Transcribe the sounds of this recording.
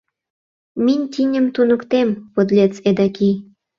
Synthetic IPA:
minʲt̪ʲinʲəmt̪unə̆kt̪empod̪lʲet͡sed̪ɑki

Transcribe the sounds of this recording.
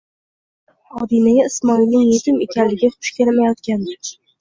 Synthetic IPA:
ɒd̪inajaɪsmɒilnɪŋjet̪ʰɪmekʲanlːɪɡʲɪχʊ̥ʃkʲʰelamajɒt̪kʲand̪ɪkʲ

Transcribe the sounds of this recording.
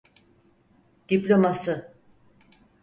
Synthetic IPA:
d̪̥iplʲo̞masɯ

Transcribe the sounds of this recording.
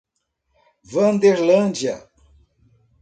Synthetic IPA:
vɐ̃nd̪eɾlɐ̃d͡ʒjɐ̰

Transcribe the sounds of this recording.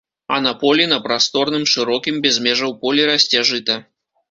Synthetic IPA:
ɐ̰nɐpɔlʲinɐpɾast̪ɔrnɨmʂɨɾɔkʲimbʲɛzʲmʲɛʐɐwpɔlʲiɾɐsʲt͡sʲaʐɨt̪ɐ

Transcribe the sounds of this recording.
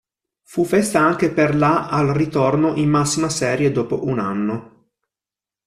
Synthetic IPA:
fufɛst̪aaŋk̟eperlaʔalrit̪ornoʔimːasːimasɛːɾjed̪ɔːpoʔuna̰nːo

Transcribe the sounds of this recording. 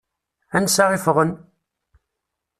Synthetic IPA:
ænsɑʁɪfʁən

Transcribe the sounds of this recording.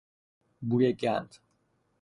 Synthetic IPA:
bujeɡænd̪

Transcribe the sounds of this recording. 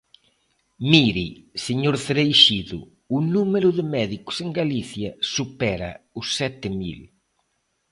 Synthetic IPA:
miɾiseɲoɾθɾejʃiðʊ̰ | ʊnumeɾʊðɪmɛðikʊ̥seŋɡaliθjɐsupɛɾa̰ʊsːɛt̪ɪmḭl

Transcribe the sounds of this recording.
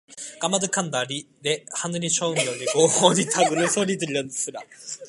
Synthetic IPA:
ɡ̥amad̪ɯkãnd̪aɾʲi | ɾehanɯɲʲit͡ɕoːɯmjonʲiɡohoːɲit̪ʰaɡɯnɯsoɾʲit̪ɨɾʲiansɯɾa

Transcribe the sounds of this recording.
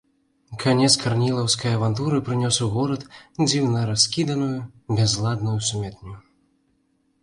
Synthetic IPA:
kʰanʲɛskʰarnʲilˠɐwskɐjɐvant̪uɾɨpɾɨnʲɔsuɣɔɾɐt̪d͡zʲiwnɐɾaskʲid̪ɐnujubʲɛzlˠad̪nujusumʲɛt̪nʲu

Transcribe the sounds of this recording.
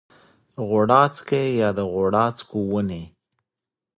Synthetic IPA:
ɣoɽɑt͡skejɑd̪əɣoɽɑt͡skuwəne

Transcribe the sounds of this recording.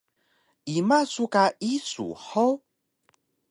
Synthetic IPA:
imasukaʔisṵhow

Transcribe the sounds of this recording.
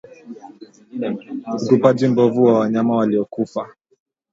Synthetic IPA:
ukupad͡ʒim̩bɔvuwawaɲamawaliɔkufa

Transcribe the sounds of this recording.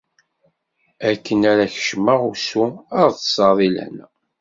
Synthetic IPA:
ækːənæɾæçə̥ʃməʁusuəɾθə̥sɑðˤilæ̰n

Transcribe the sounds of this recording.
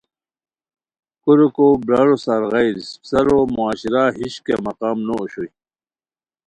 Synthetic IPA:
kuɾokobɾaːlosaɾɣajɾssɐɾomuaːɕiɾaɦiɕkḛmɐqaːmnooɕoj

